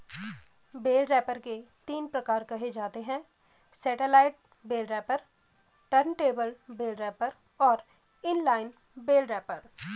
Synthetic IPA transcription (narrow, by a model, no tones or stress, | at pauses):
beːlɾɛːpəɾket̪iːnpɾɐkaːɾkɐɦed͡ʒaːt̪eɦɛ̃ː | sɛːʈelaːɪʈ̚ | beːlɾɛːpəɾ | ʈəɾnʈeːbəlbeːlɾɛːpəɾ | ɔːɾ | ɪnlaːɪn | beːlɾɛːpəɾ